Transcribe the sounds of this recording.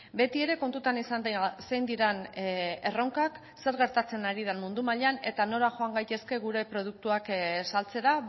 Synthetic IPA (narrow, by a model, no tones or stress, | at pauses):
be̞t̪ie̞ɾe̞ko̞nt̪ut̪anisasejnd̪iɾane̞roŋkak | se̞ɾɣe̞ɾt̪at͡se̞naɾið̞enmund̪umaʎeane̞t̪ano̞laxo̞aŋɡajt̪e̞ske̞ɣuɾe̞pɾo̞ðuk̚t̪uaksalt͡se̞ɾa